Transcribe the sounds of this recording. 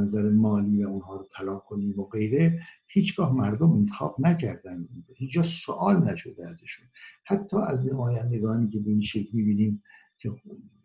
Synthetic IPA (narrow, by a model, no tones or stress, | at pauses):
næzæɾemɒːliːvæunhɒːɾot̪ʰælɒːkʰoniːmoɣe̞jɾe | hiːt͡ʃʰɡɒːhmæɾd̪ome̞nt̪ʰexɒ̰ːb̥næcʰæɾd̪ænd̪hiːt͡ʃd͡ʒɒːsoʔɒːlnæʃo̞d̪eæzeʃunhæt̪ʰːɒːʔæznemɒːjænd̪eɡɒːniːcʲʰe̞beiːnʃe̞kʰlmiːbiːniːm | kʰe